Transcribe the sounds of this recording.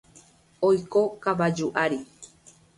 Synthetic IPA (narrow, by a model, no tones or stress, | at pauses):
ojkokaβad͡ʒuʔaɾi